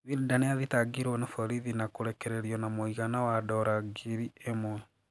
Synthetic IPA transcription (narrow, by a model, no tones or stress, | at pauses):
ðiɾudaneaðitaɡiɾwɔnafɔɾiðinakoɾɛkɛɾeɾiɔnamoiɣanawadɔɾaɡiɾiemwɛ